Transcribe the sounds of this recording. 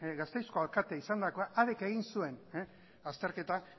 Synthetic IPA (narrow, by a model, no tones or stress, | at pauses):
ɣast̪e̞jsko̞alkat̪eaisand̪ako̞aʔaðeke̞ɣ̞insue̞n | ast̪e̞ɾke̞t̪a